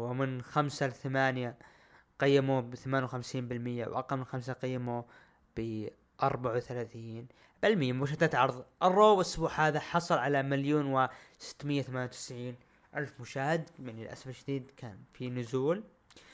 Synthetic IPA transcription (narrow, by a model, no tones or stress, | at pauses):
wɪmɪnxamsaθamaːnja | qɑjːamubɪθamaːnjwxamsiːnbɪlmɪjːa̰w̰ʔɑ̰qːɑlmɪnxams̬aqɑjːamu | b̥ɪ | ʔɑɾˤbaʕwθalaːθiːn | b̥ɪlmɪjːambaʃat̪at̪ʕɑɾˤðˤʔɪrˤːoːbsːʊbuːħhaːðaħɑsˤɑlʕalamɪljuːnwɪsɪ̥t̪ːmɪjːawθamaːnjawt̪ɪ̥sʕiːn | ʔalfmʊʃaːhɪd̪jaʕnilʔa̰safɪlʃɪd̪iːd̪kʰaːnfinʊzuːl